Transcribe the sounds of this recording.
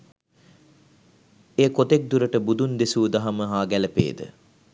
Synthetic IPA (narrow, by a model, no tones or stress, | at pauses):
eːkot̪ek̚d̪uɾəʈəbud̪und̪esuːd̪aɦaməɦaːɡæləpḛːd̪ə̰